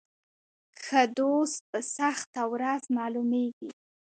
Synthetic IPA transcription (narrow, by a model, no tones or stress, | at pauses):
xəd̪ost̪̚pəsaxt̪awɾazmɑlumeɡi